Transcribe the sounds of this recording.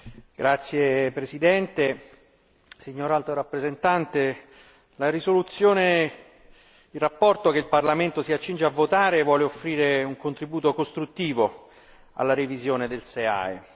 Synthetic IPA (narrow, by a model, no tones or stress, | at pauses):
ɡ̥ɾat̪sːjepɾesid̪ɛnt̪e | siɲːoːɾalt̪oɾapːɾezent̪ant̪e | laɾisolut̪sːjoːne | ilrapːɔrt̪okeilparlament̪osiat͡ʃːind͡ʒeavːot̪aːɾevwɔːleofːɾiːɾeuŋkont̪ɾibuːt̪okost̪ɾut̪ːiːvo | a̰lːaɾevizjoːned̪elsea̰e